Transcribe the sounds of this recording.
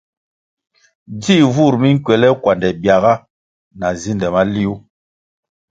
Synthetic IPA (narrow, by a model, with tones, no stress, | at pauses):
d͡ʒi˦˨vu˦˨ɾmi˦ŋ̩˦kɥɛ˨lɛ˦kwa˨ndɛ˨bja˨ɣa˦ | na˨zi˦ndɛ˨ma˦li˦u˦